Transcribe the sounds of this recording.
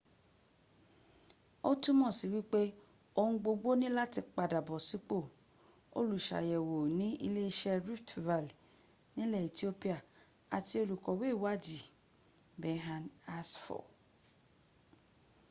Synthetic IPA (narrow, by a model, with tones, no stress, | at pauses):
o˦tu˦mɔ̃˦˨si˨wi˦k͡pe˦ | o˧hũ˧˦ɡ͡bo˧ɡ͡bo˦nĩ˦la˦ti˧k͡pa˨da˨bɔ˨si˦k͡po˦˨ | o̰˦lu˨ʃa̰˨jɛ˨wo˨nĩ˦ʔi˧le˦i˦ʃɛ˧ɾu˦tva˨l | nĩ˦lɛ˦˨i˨ti˦o˦pi˦a˦˨ | a˨ti˧o˧lu˨kɔ˨we˦˨wa˦d͡ʒi˨ | bɛ˨ɦa˨na˦sfɔ̰˨